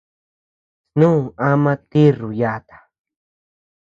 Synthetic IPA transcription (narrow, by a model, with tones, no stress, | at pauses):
snũ˦˨a˦mã˦t̪i˦ru˨ja˦˧t̪ḁ˨